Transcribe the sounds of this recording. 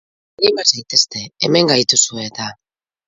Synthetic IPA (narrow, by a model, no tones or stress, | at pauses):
ɾimazajt̪e̞st̪e̞eme̞ŋɡajt̪usue̞t̪a